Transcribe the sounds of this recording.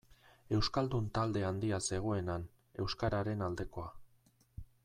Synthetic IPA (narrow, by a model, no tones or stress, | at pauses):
e̞wskald̪unt̪ald̪e̞and̪iase̞ɣ̞o̞e̞nan | e̞wskaɾaɾe̞nald̪e̞ko̞a